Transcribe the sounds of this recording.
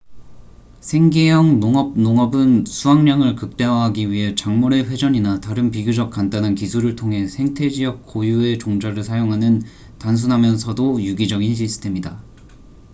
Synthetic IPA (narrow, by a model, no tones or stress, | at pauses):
sʰe̞ŋɡejʌŋnoŋʌb̚noŋʌbɯnsʰuɦaŋɲaŋɯɭkɯk̚t͈e̞waɦaɡiɥiɦe̞t͡ɕaŋmoɾe̞ɸwe̞d͡ʑʌɲinataɾɯnpiɡjud͡ʑʌk̚k͈antanankisʰuɾɯɭtʰoŋɦe̞sʰe̞ŋtʰe̞d͡ʑiɦʌk̚k͈ojue̞t͡ɕoŋd͡ʑaɾɯɭsʰajoŋɦanɯn | tans̬ʰunɦamjʌnsʰʌdojuɡid͡ʑʌɡinɕ̬ʰisʰɯ̥tʰe̞mida